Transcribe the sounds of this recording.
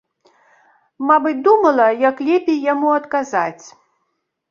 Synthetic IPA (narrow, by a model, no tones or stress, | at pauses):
mabɨt͡sʲd̪umɐlˠɐjaklʲɛpʲejːamuɐt̪kazat͡sʲ